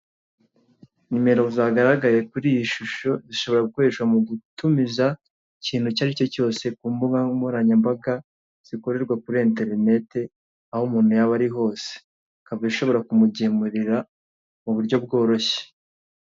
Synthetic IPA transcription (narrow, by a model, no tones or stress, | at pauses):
ɲime̞ɾozaːɡaɾaɡaje̞kuɾiːjiʃuʃo̞ziʃo̞βo̞ɾaɡukoɾeʃwamuɡutumiza | iciːn̥hucaɾico̞co̞ːse̞kuːmbuɡamuɾaɲambaɡa | z̥iko̞ɾe̞ɾɡwakuɾiente̞ɾine̞te̞ | ahomuːn̥hujaβaɾiɦo̞ːse̥ | kavaziʃo̞βo̞ɾakumuɟemuɾiɾa | muβuɾɟo̞b̚ɡo̞ːɾo̞çe̥